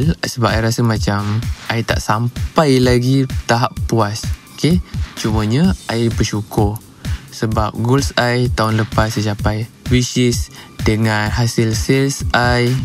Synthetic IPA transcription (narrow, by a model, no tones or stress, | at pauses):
lsəbaʔajɾasəmat͡ʃamʔajt̪a̰ʔsampajlaɡit̪aɦapːuasoket͡ʃuməɲəaibəʃukʊr | səbap̚ɡolsajt̪aʊnləpasːət͡ʃapajwisɪsdəŋanɦasɪlsilsʔaj